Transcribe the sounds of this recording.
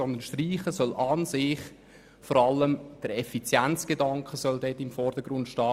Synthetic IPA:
ɔnd̪ənʃtriːχəsœlʔɑnsɪχ | fɔɾɑlːəmd̥əɾɛfit͡sjænt͡sɡ̥edɑŋkχəsœldɛːtːɪmfɔrd̥əɡɾʊntʃtɑː

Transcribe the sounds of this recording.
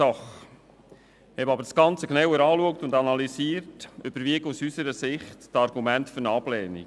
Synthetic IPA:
ɑχ | hɛbɑbəɾsɡ̥ɑnt͡səknawəɾɑːluək̚tʊndɑnɑlisiːəɾtʔʏb̥əɾviəɡusysəɾəsɪχttɑɾɡumæntføɾnɑblɛːnḭ

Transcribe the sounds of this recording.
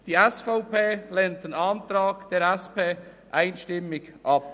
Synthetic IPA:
d̥iːɛsfaʊpeːleːnt̚d̥enɑntɾaːkd̥eːɐɾɛspʰeː | ʔaɪnʃtɪmɪçʔɑp̚

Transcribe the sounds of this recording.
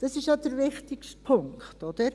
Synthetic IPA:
d̥ɑsɪʃjɑd̥̪əɾʋɪχtikʃtpʰʊŋkχtɔd̪̥əɾ

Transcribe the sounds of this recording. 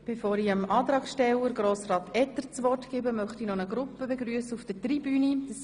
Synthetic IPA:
b̥efoːɾiəmɑːt̪ɾɑːkʃtɛləɾɡɾoːsrɑːt̪ɛt̪əɾt͡sʋɔrtɡ̥ɪbəmœχtinɔnəɡɾʊpːəbeɡɾyəsəufd̥ətribyːnid̥s

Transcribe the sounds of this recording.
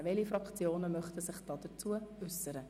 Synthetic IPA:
vɛlifɾɑkχt͡sjoːnəmœχtəsɪχd̥ɑːd̥ət͡suəʏsːəɾə

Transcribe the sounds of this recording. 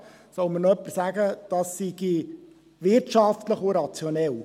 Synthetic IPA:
sɔʊmənoœpːəsæɡəd̥ɑsːiɡ̥i | ʋɪrtʃɑft̪ləχʊɾɑt͡sjonɛl

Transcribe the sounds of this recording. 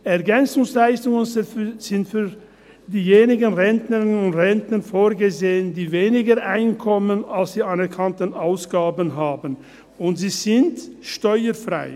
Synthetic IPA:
ʔɛɐɡɛnt͡sʊŋslaɪstʊŋənz̥ɪntfyː | diːjeːnɪɡənʁɛntnəʁɪnʊntʁɛntnənfoːɐɡəzeːəndiːveːnɪɡəʔaɪnkʰɔmənalsd̥iːanɛʁkʰantənʔaʊsɡ̥aːbənɦaːbən̩ | ʊntz̥iːz̥ɪntʃtɔʏəfʁa̰ɪ

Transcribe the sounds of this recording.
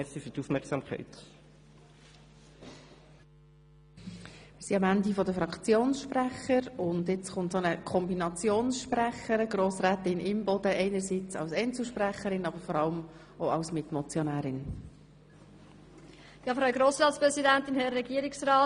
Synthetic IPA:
ɛsifyːduːfmɛʁksɑmkʰɛ̰ɪt | mɪːɾsiɑmændifɔd̪əfɾɑkt͡sjoːnsʃpɾæχəɾʊnd̪ɪt͡sχʊntsonəkʰɔmbinɑt͡sjoːnsʃpɾæχəɾəɡɾoːsɾɛːt̪ɪnɪmbɔd̥̪əʔɛɪnəɾsiːt͡sɑ̰lsɛɪnt͡ssl̩ʃpræχəɾɪnɑbəɾfɔɾɑləm | oɑʊsmɪt̪mɔt͡sjɔnæːɾɪn | jɑːfɾaʊɡɾoːsɾɑːtspɾɛzidænt̪ɪnhɛɾːɛɡiəɾɪksrɑː

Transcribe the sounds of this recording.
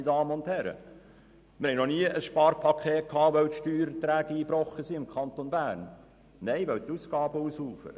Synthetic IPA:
ədɑːməʊnthɛɾə̰ | mɪɾhɛjnɔniəʔəsʃpɑːɾpʰɑkʰeːt̚kʰːɑːʋœwt̪ʃtyːɾət̪ɾæːɡ̥əiːbɾɔχːəsiɪmkʰɑnt̪onbæːɾn | nɛɪʋœwt̪uːsɡ̥ɑːb̥əuːsuːfə̰

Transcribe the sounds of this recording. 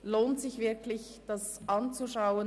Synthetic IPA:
loːntsɪçv̥ɪɐkʰlɪçd̥asʔɑnt͡suʃaʊə

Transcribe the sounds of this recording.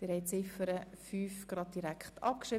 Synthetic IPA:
d̥ɪɾhɛɪjt͡sɪfəɾəfyːfɡ̥ɾɑd̪̚diɾækχtʰɑ̰p̚kʃɾɪ

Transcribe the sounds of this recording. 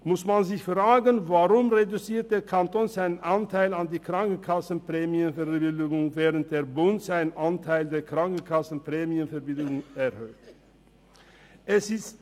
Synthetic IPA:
mʊsmanzɪçfʁaːɡənvaʁʊmʁedut͡siːɐt̚d̥eːɐkʰantoːnzaɪnənʔantʰaɪlandiːkʁ̥aŋkn̩kʰasn̩pʁ̥ɛːmjənfɛɐbbɪldɪɡʊŋvɛːʁənt̚d̥eːɐbʊntz̥aɪnʔantʰaɪldeːɐkʁ̥aŋkn̩kʰasn̩pʁ̥ɛːmiənfɛɐbɪldɪʊŋɛɐhøːt | ʔɛsɪst

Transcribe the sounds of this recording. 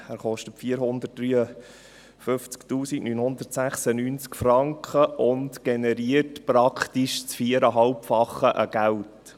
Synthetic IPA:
æɾχɔʃtətfiːəɾɦʊnd̪ət̚d̥ɾyːə | fɵft͡sktuːsiɡnyːnhʊnd̪əɾtsæχsənyːnt͡skfrɑŋkχəʔʊntɡ̥enɛɾiətpɾɑkʰtiʃt͡sfiəɾəɦɑlpfɑχːəʔəɡ̥æwt

